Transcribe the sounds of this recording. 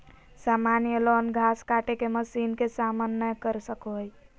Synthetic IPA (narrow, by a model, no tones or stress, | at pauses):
samanjəlɔnɡʱaskaʈekeməsinkesamənːəkəɾsəkoɦj